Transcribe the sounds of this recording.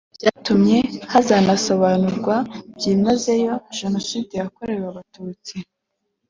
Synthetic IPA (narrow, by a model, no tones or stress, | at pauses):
b̥jaːtumɲe̞hazaːnaso̞βanuɾɡwabjiːmaze̞jo̞ʒanositejako̞ɾe̞ɾwaβatuːt͡si